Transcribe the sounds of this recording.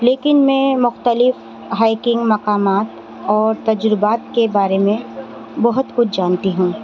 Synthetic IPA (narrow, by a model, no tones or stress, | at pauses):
leːkɪnmɛ̃ːmʊxt̪əlɪf | ɦaːɪkɪ̃ŋɡmɐqaːmaːt̪ | ɔːɾt̪ɐd͡ʒɾɪbaːt̪kebaːɾemẽ | bɐɦʊt̪kʊt͡ʃʰd͡ʒaːnt̪iɦũː